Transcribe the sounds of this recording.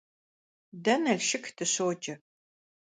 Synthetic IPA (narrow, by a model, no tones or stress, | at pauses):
dɐnɐɮʃɪktʰɨɕoːd͡ʒʼɐ